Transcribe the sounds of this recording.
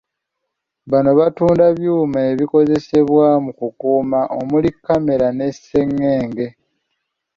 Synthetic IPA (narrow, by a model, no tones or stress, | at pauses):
βano̞βatuːndaβjuːmaeβiko̞ze̞se̞βwamukukuːmaʔomulikːame̞ɾane̞se̞ŋːe̞ːŋɡe̞